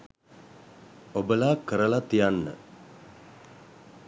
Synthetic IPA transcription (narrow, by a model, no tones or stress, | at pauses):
obəlaːkəɾəlat̪ijanːə̰